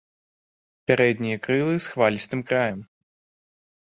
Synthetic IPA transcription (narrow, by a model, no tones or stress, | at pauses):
pʲaɾɛd̪ʲnʲijɐkɾɨlˠɨsxvalʲist̪ɨmkɾajɐm